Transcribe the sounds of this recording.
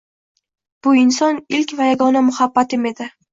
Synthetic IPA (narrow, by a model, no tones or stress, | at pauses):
b̥ʊɪnsɒnɪlkʲvajaɡɒnamʊhabːat̪ɪme̞d̪ɪ